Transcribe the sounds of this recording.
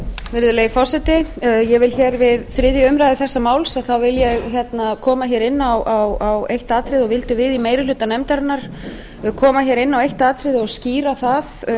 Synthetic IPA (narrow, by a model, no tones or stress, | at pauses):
vɪɾðʏlejɪfɔsɛt̪ɪjɛɣvɪlçɛːɾvɪðθɾɪðjɪʏmɾajðɪθɛsːamaːwlsaðθawvɪljɛɣçɛt̪nakʰɔːmaçɛɾɪnːawʔawawejht̪aːt̪ʰɾɪðɔɣvɪlt̪ʏvɪðimeːjɾɪlʏːt̪anɛmt̪aɾnaɾ̥ | kʰɔːmaçɛɾɪnːawejht̪aːt̪ʰɾɪðɪɔɣsciːɾaθað